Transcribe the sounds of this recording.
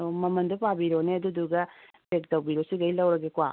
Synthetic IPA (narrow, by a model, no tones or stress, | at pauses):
omɐmɐndopabiɾoneɐduduɡɐ | pek̚tɐwbiɾosiɡɐjlɐwɾɐɡekuwa̰